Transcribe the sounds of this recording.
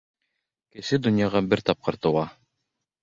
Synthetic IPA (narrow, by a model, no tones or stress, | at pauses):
kɘ̆sɘd̪ɵ̆njɑʁɑbɘɾt̪ɑp̚qɤ̆ɾt̪ɤ̆wɑ